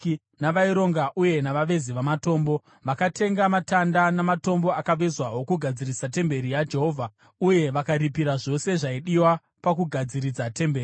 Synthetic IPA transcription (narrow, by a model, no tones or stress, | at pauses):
naʋaiɾo̞ŋɡaʔuje̞naʋaʋe̞ziʋamato̞ːmbo̞ | ʋakatʰe̞ŋɡamatandanamato̞mbo̞akaʋezwaɦo̞kuɡʱad͡zirisate̞mbe̞ɾijad͡ʒe̞ɦo̞ːvʱa | uje̞ʋakaɾipiɾaʐo̞se̞ʐaiɗiwa | pakuɡʱad͡ziɾid͡zate̞mbeːri